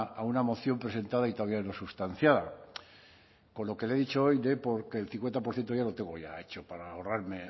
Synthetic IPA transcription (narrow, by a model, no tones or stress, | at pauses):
aunamo̞θjo̞mpɾe̞se̞nt̪aðait̪o̞aβiaenosust̪an̟θjaða | ko̞nlo̞ke̞leðit͡ʃo̞o̞jd̪e̞po̞ɾke̞ːlθiŋkwe̞nt̪ap̬oɾθje̞nt̪o̞ʝalo̞t̪e̞ŋɡo̞ʝae̞t͡ʃo̞paɾaoraɾme